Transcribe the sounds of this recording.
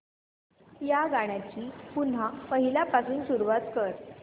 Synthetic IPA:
jaɡaɽ̃jat͡ɕiːpun̤apəɦilapasuːnsuɾʋat̪kəɾ

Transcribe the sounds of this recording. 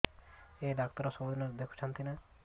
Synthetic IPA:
eɖak̚t̪ɔɾɔsɔbud̪inad̪ekʰu̥t͡ʃʰant̪ʰina

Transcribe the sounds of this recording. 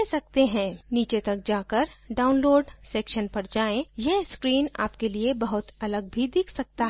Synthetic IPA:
ɛsɐk̚t̪eɦɛ̃ːniːt͡ʃet̪ɐk̚d͡ʒaːkəɾɖaːʊnloːɖseːkʃənpɐɾd͡ʒaːẽjɛɦskɾiːna̰ːpkeliebɐɦʊt̪ɐləɡ̚bʱid̪ɪkʰsɐk̚t̪aɦ

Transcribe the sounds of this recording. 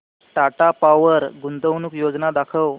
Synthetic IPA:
ʈaʈapaʋəɾɡunt̪əʋnuːkjod͡znad̪akʰəw

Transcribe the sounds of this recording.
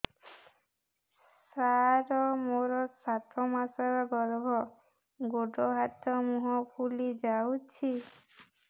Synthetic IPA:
sɾaɾɔmoɾɔsat̪ɔmasɔɾɔɡɔlɔbʱɔ | ɡoɖɔɦat̪ɔmuɦɔpʰulid͡ʒawt͡ʃʰi

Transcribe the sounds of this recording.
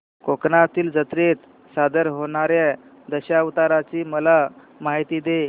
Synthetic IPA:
koknat̪iːld͡zət̪ɾet̪ | sad̪əɾɦoɳ̃aɾja | d̪əɕaʋt̪aɾat͡ɕiːməla | maɦit̪iːd̪e

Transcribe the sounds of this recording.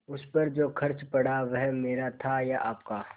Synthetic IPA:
ʊspɐɾd͡ʒoːkʰɐɾt͡ʃpɐɽaʋɛɦmeːɾat̪ʰajaʔaːpkaː

